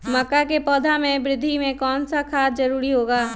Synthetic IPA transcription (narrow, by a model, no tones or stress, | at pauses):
mɐkːakepɔːd̪ʱamẽbɾɪd̪ʱːimẽkɔːnsakʰaːsd͡ʒɐɾuːɾiɦoːɡaː